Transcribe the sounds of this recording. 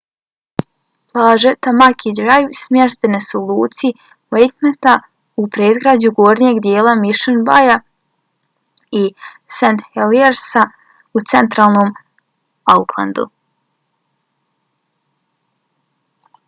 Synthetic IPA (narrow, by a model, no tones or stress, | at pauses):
plˠaːʒet̪amakʰid̪ɾajʋsmʲjeʃt̪enesulˠuːt̪si | wejt̪met̪a | upɾeizɡɾaːd͡ʑuɡoːɾnije̞ɡd̪jeːlˠamiʃenbaja | i | sent̪xelieɾsa | ut̪se̞nt̪ɾaːlˠno̞ːm | aukʰlˠa̰nd̪ṵ